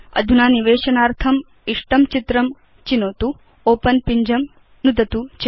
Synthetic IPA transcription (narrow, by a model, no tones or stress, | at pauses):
ɐ̰d̪ʱunaːniʋeːʃɐnaːɾt̪ʰɐm | iʂʈɐmt͡ʃit̪ɾɐm | t͡ʃinoːt̪u | oːpɐnpiɲd͡ʒɐm | nud̪ʱɐt̪ut͡ʃ